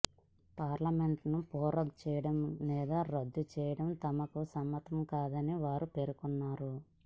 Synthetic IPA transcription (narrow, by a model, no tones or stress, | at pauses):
paːɾlɐme̞ɳʈnupɔːɾɐɡt͡ʃɛːjɐɽɐmːiːd̪ɐɾɐd̪ːut͡ʃɛːjɐɽɐmt̪ɐmɐkusɐmːɐt̪ɐmkaːd̪ɐniʋaːɾupe̞ɾukunːaːɾu